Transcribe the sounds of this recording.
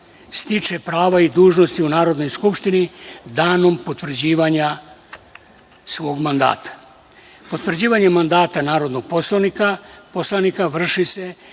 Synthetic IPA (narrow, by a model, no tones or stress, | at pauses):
st̪it͡ʃe̞pɾaːʋaid̪uːʒno̞st̪iunaːɾod̪no̞jskupʃt̪inid̪aːno̞mpo̞t̪vr̩d͡ʑiːʋaɲa | sʋo̞ːɡmand̪a̰ːt̪ʰḁ | pot̪ʋr̩d͡ʑiːʋaɲemand̪aːt̪anaːɾo̞d̪noɡ̥̚poslanikaposlˠanikaʋr̩ʃise̞